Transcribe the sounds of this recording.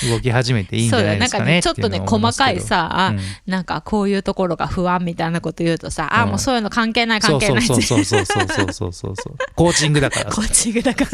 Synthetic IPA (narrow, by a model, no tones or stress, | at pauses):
ɯɡo̞kʲiɦaʑime̞t̪eiso̞ːd̪anãŋkaet͡ɕo̞t̪ːo̞ne̞ko̞makaisaanãŋkakʰo̞ːjɯ̟ːt̪o̞ko̞ɾo̞ɡa̰ɸɯ̟βãmʲːit̪ainako̞t̪o̞jɯ̟ːt̪o̞saʔamo̞ːso̞ːjɯ̟no̞kãŋke̞ːnaikaokeonaisosooːo̰ːso̰ːso̰ːso̰ːko̞ːt͡ɕĩŋɡɯ̟d̪aka̰ɾakʰoːt͡ɕĩŋɡɯ̟d̪akaɾa